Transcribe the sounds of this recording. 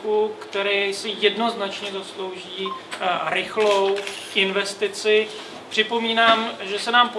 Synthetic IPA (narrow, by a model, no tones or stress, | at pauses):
kukt̪ɛɾɛːsɪjɛdno̞znat͡ʃɲɛzaslo̞wʒiːɾɪxlowʔɪnvɛst̪ɪt͡sɪ | pr̥ɪpo̞miːnaːmʒɛsɛnaːmpo